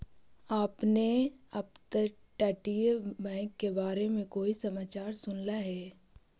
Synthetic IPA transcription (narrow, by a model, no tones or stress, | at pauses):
aːpneɐpt̪ə | ʈɛːʈiebɛ̃ːŋkːebaːɾemẽkoːisɐmaːt͡ʃaːɾsʊnlaɦɛː